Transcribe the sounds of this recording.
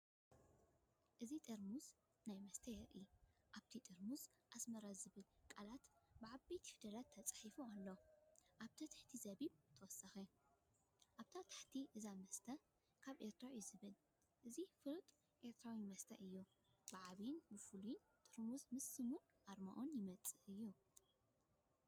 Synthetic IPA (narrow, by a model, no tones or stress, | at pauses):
ʔɨzit̪ʼɐɾmuz | najmɐst̪ʰɐjɛɾʔiʔaβt̪ʰit̪ʼɐɾmuz | ʔasmɐɾazɨβɨlkʼalat̪bɨʕabejt̪ʰi̥fɨd̪ɐlat̪ʰːɐt͡sʼɨ̥ħifualːoʔaβt̪ʰɐt̪ʰaħt̪ʰizɐβiβt̪ʰɐwɔsɐxe | ʔaβt̪ʰat̪ʰḁħt̪ʰiʔɨzamɐst̪ʰɐ | kʰaβʔe̞ɾt̪ʰɾajuzɨβɨl | ʔɨzifɨlt̪ʼ | ʔe̞ɾt̪ʰɾawimɐst̪ʰɐ̰ʔɨjːu | bɨʕaβinbɨfuljn | t̪ʼɨɾmuzmɨsːɨmu | ʔaɾma̰ʔonjɪmɐt͡sʼɨʔɨjːu